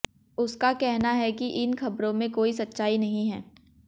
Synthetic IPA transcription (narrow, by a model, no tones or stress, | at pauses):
ʊskakɛɦnaɦɛkiʔɪnxɐbɾõmẽkoːisɐtːʃaːinɐɦĩɦɛː